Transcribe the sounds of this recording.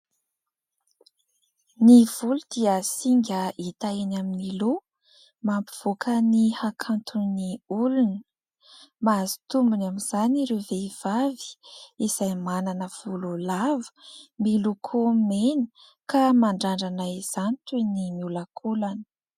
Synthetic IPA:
niv̥ulud̪̥iəsiŋɡʲəit̪aenaminilu | mampi̥v̥okʰənihakʰant̪uniulunə | maːzi̥t̪umbunaminz̥aniɾeveiv̥avi̥iz̥ajmananəv̥ululavu̥milukʰomeni̥ | kamaɳɖ͡ʐaɳɖ͡ʐanajz̥anit̪unimiulakʰulan

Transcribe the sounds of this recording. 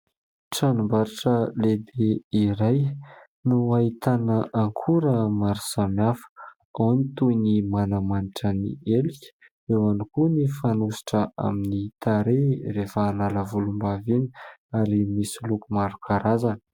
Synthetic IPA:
ʈ͡ʂanumbaɾiʈ͡ʂəled̪eiɾaj | nuait̪anəʔaŋkʰuɾəmaɾi̥samafə̥ | awnit̪unimanamaniʈ͡ʂənḭelikʲə̥ | ewanikunifanusi̥ʈ͡ʂəʔa̰minit̪aɾerefəːnaləvulumbavini̥aɾimisilukumaɾukʰaɾazanə̥

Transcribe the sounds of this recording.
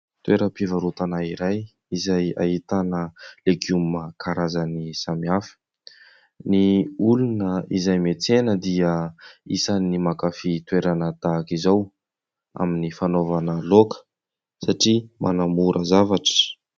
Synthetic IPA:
t̪weɾəpivaɾut̪anaiɾaj | izaja̰ɦit̪anəleɡuməkʰaɾazanisamiafi̥ | niulunəizajmet͡senəd̪iəisanimakafit̪weɾanət̪akizaw | a̰minifanovanəlokə̥ | saʈ͡ʂimʔa̰namuɾʔəzavaʈ͡ʂə̥

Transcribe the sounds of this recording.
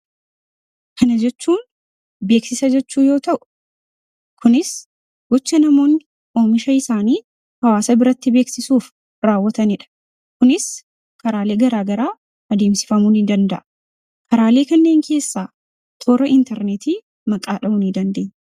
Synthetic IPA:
kʰɐnɐd͡ʒɛt͡ʃːuːn | be̞ːksɪsɐd͡ʒɛt͡ʃːuːjo̞ːt̪ɐʔʊ̥ | kʰʊnɪs | ɡ̥ɔt͡ʃːɐnɐmo̞ːn | o̞ːmɪʃɐɪsaːniː | hɐwaːsɐbɪɾɐt̪ːɪbe̞ːksɪsuːf | ɾaːwːɐt̪ɐnɪᶑɐ̥ | kʊnɪs | kɐɾaːle̞ːɡɐɾaːɡɐɾaː | ʔɐd̪e̞ːmsɪ̥fɐmuːnɪd̪ɐnd̪ɐʔɐ̥ | kʰɐɾaːleːkɐnːe̞ːŋkʰe̞ːsːaː | t̪ʰo̞ːɾɐʔɪnt̪ɛɾnet̪iː | mɐkʼaːᶑɐmʊnid̪ɐnd̪e̞ːɲː

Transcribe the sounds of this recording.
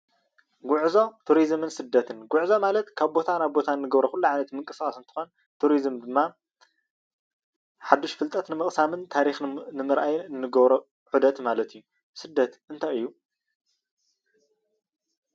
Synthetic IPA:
ɡʊʕzo̞t̪ʰuɾizmɨnsɨd̪ːɐt̪ʰɨnɡʊʕzo̞malɐt̪kʰaβbo̞t̪ʰanaβbo̞t̪ʰanːɨɡɐβɾoxulːuʕajnɐt̪mɨŋkʼɨskʼasɨnt̪ʰɨ̥xo̞n | t̪ʰuɾizmd̪ɨmːa | ħad̪ːuʃfɨlt̪ʼɐt̪nɨmɨχʼsamɨnt̪ʰaɾixnɨmɨɾʔajnːɨɡɐβɾo | ʕud̪ɐt̪malɐt̪ijːu | sɨd̪ːɐt̪ʔɨnt̪ʰajɨjːu

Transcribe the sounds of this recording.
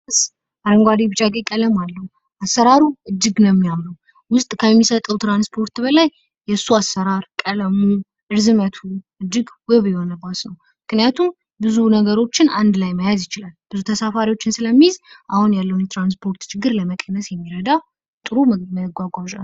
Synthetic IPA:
ɨs | aɾəŋɡʷad̪ibɨt͡ʃʼaɡʼekʼələmalːəwu | asːəɾaɾuʔɨd͡ʒːɨɡnəmːijamnəw | wʊst̪ʼkʰəmːisət̪ʼːəwt̪ʰɾanspʰo̞ɾt̪bəlajː | ɛsːuasːəɾaɾkʼələmu | ʔɨɾzɨmət̪ʰuʔɨd͡ʒːɨɡwɨβjɛhonəbasnəw | mɨknijat̪ʰum | bɨzunəɡəɾo̞t͡ʃːɪnand̪lajməjazjɪt͡ʃɪlalb̥ɨzut̪ʰəsafaɾiwo̞t͡ʃːɪnsɨləmːizʔahunjalːəwunjɛt̪ʰɾanspʰo̞ɾt̪t͡ʃʰɪɡːɨɾləməkʼənːəsjɛmːiɾəd̪a | t̪ʼɨɾuməɡʷaɡʷaʒa

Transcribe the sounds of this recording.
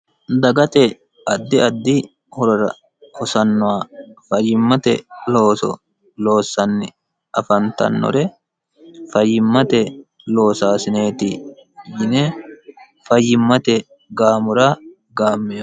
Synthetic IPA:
d̪ɐɡɐt̪ɛ | ɐd̪ːɪɐd̪ːɪ | hɔɾɔɾɐ̰ | hɔsɐnːʊwaːfɐjːɪmːɐt̪ɛlo̞ːsɔ̰ | lo̞ːsːɐnːɪ | ʔɐfɐnt̪ɐ̰nːɔ̰ɾɛ | fɐjːɪmːɐt̪ɛ | lo̞ːsaːsɪneːt̪ɪjɪne | fɐjːɪmːɐt̪ɛ | ɡaːmʊɾaː | ɡaːmːɛj

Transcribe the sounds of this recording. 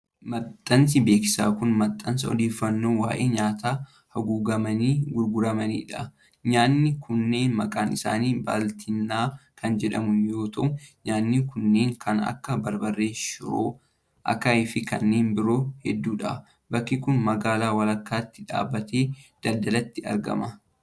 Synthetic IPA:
mɐt̪ʼːɐns̬ɪbe̞ːkɪ̥sa̰ːkʊnmɐt̪ʼːɐnsɐɔ̰d̪e̞ːfːɐnːo̞ːwa̰ːʔeːɲaːt̪aː | hɐɡuːɡɐmɐniːɡʊɾɡʊɾɐmɐnḭːᶑɐ | ɲaːnːɪkʰʊnːe̞ːnmɐkʼaːnɪsa̰ːniːba̰ːlt̪ʰɪnːaːkɐnd͡ʒɛᶑɐ̰mʊnjo̞ːt̪ʰɐʔʊɲaːnːɪkʊnːe̞ːŋkʰɐnɐ̰kːɐbɐɾbɐrːe̞ːʃʊɾo̰ː | ʔɐ̰kːaɪfɪkɐ̰nːe̞ːnbɪɾo̞ːhɛd̪ːuːᶑɐ̰ | bɐkːɪkʊnmɐɡaːlaːwɐlɐkːaːt̪ːɪ̥ᶑa̰ːbːɐt̪e̞ːd̪̥ɐld̪ɐlɐt̪ːɪɐ̰ɾɡɐ̰mɐ

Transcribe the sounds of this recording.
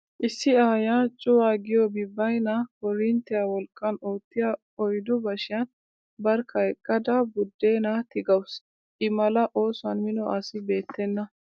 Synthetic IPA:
ʔɪsːɪaːjat͡ʃʼʊwaːɡɪjɔbɪbːɐjnɐkɔɾɪnt̪ɛjawɔlkʼːɐnoːt̪ːɪjɐ | ɔjd̪ɔbɐʃɪjɐn | bɐɾkʰɐjkʼːɐd̪ɐbʊd̪ːeːnɐt̪ɪɡɐws | ʔɪmɐlɐʔo̞ːsʊɐnmɪnɔʔɐsɪbe̞ːt̪ʰːɛnːɐ

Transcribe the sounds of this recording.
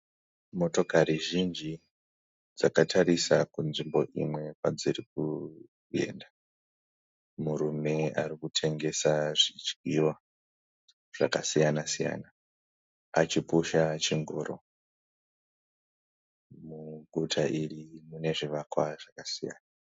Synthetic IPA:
mo̞to̞kariʒind͡ʒi | d͡zakatʰaɾisakunʐimbo̞ʔḭmwe̞kad͡zirik̚u | e̞̰nda | muɾume̞arikutʰe̞ŋɡe̞saʐid͡ʒɡiwa | ʐ̥akasijanasija̰ːna | a̰t͡ʃipuʃat͡ʃiŋɡoːɾo̰ | muɡʱutʰaʔirimune̞ʐiʋakwaʐ̥akasija̰ːna

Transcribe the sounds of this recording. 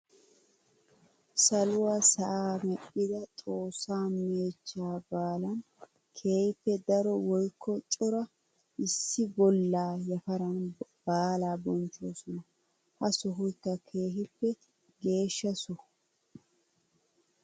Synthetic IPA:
sɐlʊwasɐʔaːmɛʔʼːɪd̪ɐt̪ʼo̞ːsːaːmeːt͡ʃːaːbaːlɐn | kʰe̞ːhɪpːɛd̪ɐɾɔwɔjkːɔt͡ʃʼɔɾɐ | ʔɪsːɪbɔlːaːjɐfɐɾɐnbaːlaːbɔnt͡ʃːoːsɔnɐ | hɐsɔɦʊjkːɐkʰe̞ːɦɪpːɛ | ɡe̞ːʃːɐsʊ

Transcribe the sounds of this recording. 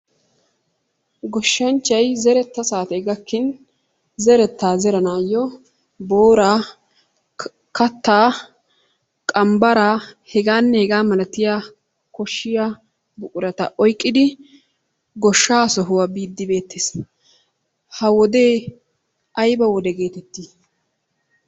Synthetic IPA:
ɡɔʃːɐnt͡ʃːɐjzɛɾɛt̪ːɐsaːt̪ɛɡɐkːɪn | zɛɾɛt̪ːaːzɛɾɐnaːjɔ | boːɾaː | kɐt̪ːaː | kʼɐmbɐɾaːhɛɡaːnːɛhɛɡaːmɐlɐt̪ɪjaː | kɔʃːɪja | bʊkʼʊɾɐt̪ɐ̰ʔɔjkʼːɪd̪ɪ | ɡɔʃːaːsɔɦʊwabiːd̪ːɪbe̞ːt̪ːeːs | hɐwɔd̪e̞ː | ʔɐjbɐwɔd̪ɛɡe̞ːt̪ɛt̪ːiː

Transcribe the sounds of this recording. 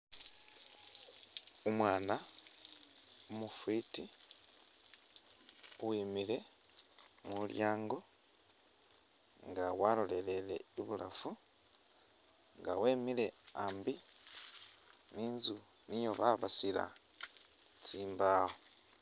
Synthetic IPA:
umwaːna | omufiːti | wiːmile̞ | muljaːŋɡo̞ | ŋɡawalo̞le̞le̞le̞̰iβula̰fu | ŋɡaweːmile̞aːmbi | niːnzu | nijo̞βaβasila̰ | t͡siːmbaho

